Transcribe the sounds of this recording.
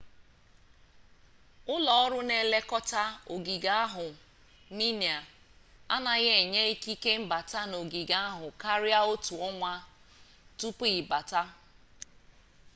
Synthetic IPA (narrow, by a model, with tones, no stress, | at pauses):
ʊ˦lɔ˨ɔ˦ɾʊ˦ne˨le˦kɔ˦ta˦o˨ɡi˨ɡa˦a˦ɦʊ˨ | ni˦nja˨ | a̰˦na˨ɣe˦˨ɲe˦i˦ki˦ke˦m̩˦ba˨ta˦no˨ɡi˨ɡa˦a˦ɦʊ˨ka˦ɾja˦o˦tu˨ɔ˦ŋʷa˦ | tu˦pi˦˨ba˨ta˦